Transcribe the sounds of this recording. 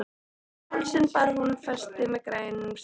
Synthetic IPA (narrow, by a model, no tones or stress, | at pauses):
alsɪnpaɾhunfɛst̪ɪmɛkɾajnms